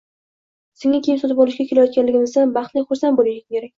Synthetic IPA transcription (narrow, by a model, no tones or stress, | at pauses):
sɪŋakʲʰeɪmsɒt̪ʰɪpɒlˠɪʃɡʲakʰʲe̞lajɒt̪̚kʲanlɪɡʲɪnɪsanbɑχt̪lɪjχʊɾsanbolɪɡʲkʰʲeɾak̚ʲ